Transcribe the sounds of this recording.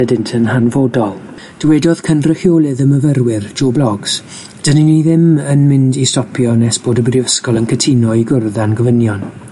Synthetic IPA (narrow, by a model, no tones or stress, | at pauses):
ɛdɪntʰənhanvoːdɔlˠ | d̥əwɛdɔð̥kʰənrɪhjoːlˠɨðəməvərwɪrd͡ʒoːblɔɡs | d̥əniniðɪmənmɪndistɔpʰjɔnɛsb̥oːdəbrɪəskɔlˠənkʰətʰinɔiɡʊrðanɡəvənjɔn